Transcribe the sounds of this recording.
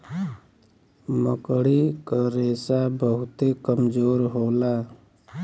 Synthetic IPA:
məkɽikəɾesabəɦʊt̪ekəmd͡ʒoːɾɦola

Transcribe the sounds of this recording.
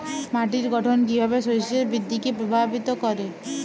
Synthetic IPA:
maʈiɾɡʱɔʈʰɔnkibʱabesojseɾbɾid̪ʱːikepɾobʱabit̪ɔkɔɾe

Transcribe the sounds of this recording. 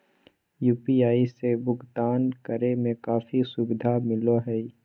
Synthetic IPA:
juːpiaːisebʊɡt̪aːnkəɾemẽkaːfisʊbɪd̪ʱamɪloɦɛi

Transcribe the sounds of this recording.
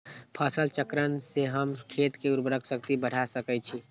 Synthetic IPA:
pʰəsəlt͡ʃəkɾənseɦəmkʰet̪keuɾbɾəksək̚t̪ibəɽ̤asəkɛt͡ʃʰi

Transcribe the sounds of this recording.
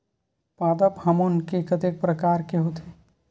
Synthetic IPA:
paːd̪əphɐmonkekɐt̪ek̚pɾəkaːɾkeɦot̪ʰe

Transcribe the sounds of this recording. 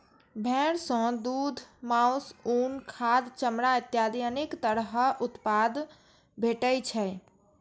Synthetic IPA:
bʱɛ̃ɽsɔ̃d̪ud̪ʱmausuːnkʰad̪t͡ʃəmɾait̪jad̪ijənikt̪əɾɦʔʊt̪pad̪ | bʱeʈəjt͡ʃʰɛ

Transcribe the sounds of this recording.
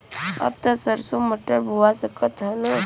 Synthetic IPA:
ɐ̰b̚t̪ɐsəɾsoməʈːəɾbʱuʋasəkət̪ɦɐlo

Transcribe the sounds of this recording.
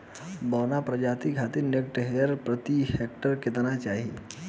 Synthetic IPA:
bəwnapɾəd͡ʒat̪iɡʱat̪inek̚ʈeɦjəɾpɾət̪ihek̚ʈəɾkɪt̪nat͡ʃaːɦi

